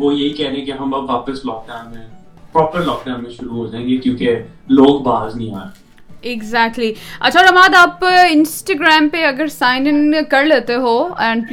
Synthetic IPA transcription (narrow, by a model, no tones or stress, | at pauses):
ʋojɐɦikɛɦɾẽɦẽkeɦɐmɐbʋaːpəslɔːk̚ɖaːʊnmẽ | pɾɔːpəɾlɔːk̚ɖãːʊnmẽʃʊɾuɦoːd͡ʒaẽːŋɡekjõːke | loːɡbaːznɐɦĩaːɾe | ɪɡzæːk̚ʈliɐ̰tːʃʰaɔːɾɐmaːd̪aːpɪ̃nsʈaɡɾaːmpeɐɡəɾsaːɪnənkɐɾleːt̪eɦoːɛ̃ːɳɖ